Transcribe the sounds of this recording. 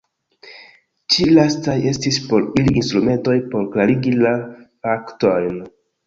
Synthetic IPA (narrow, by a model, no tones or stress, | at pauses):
t͡ʃilastaje̞stispo̞ɾiliːnstɾume̞nto̞jpo̞ɾklaɾiɡilafakto̞jn